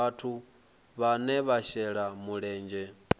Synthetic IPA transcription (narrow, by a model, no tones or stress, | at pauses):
atʰu | βanɛβaʃɛɺamuɺɛːnd͡ʒɛ